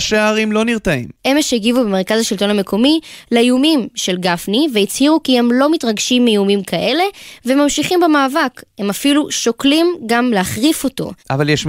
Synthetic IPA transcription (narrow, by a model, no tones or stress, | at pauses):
ʃeaʁimlo̞niʁt̪aḭmʔemeʃeiɡivubemeʁkazaʃilto̞name̞kʰo̞mileiumimʃe̞lɡafniveit͡shiʁukie̞mlo̞mitʁaɡʃimːejumimkʰaʔe̞le̞veemamʃiχimbemaːvakhe̞mafiluʃo̞klimɡamleaχʁifo̞to̞̰ʔa̰valjeʃ